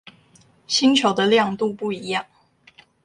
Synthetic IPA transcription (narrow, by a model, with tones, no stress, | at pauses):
ɕi˥nt͡ɕʰjo˨˩ʊd̪ə˧ljɑ˥˧ŋt̪u˥˧pu˥˩i˧˥jɑ˥˩ŋ